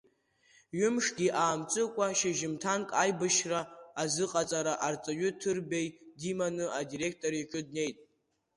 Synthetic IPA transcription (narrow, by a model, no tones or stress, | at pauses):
ɥʊmʂɡʲiʔaːmt͡sʼɨkʷʼaʃɪʒɪmtʰankʼajbɨʃraːzɨqʼat͡sʼaɾaʔart͡sʼaɥʊtʰɨrbejdimanɨʔadiɾe̞k̚ʰtʼo̞ɾiʈ͡ʂʼɨd̚ne̞jtʼ